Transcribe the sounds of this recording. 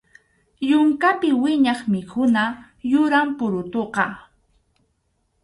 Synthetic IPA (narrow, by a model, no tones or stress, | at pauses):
jʊŋkapɪwɪɲɑχmɪkʊna | jʊɾampʊɾʊt̪oqɑ